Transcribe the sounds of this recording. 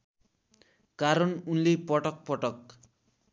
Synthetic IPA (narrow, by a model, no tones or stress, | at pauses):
kaɾʌnunlepɔʈʌk̚pɔʈʌk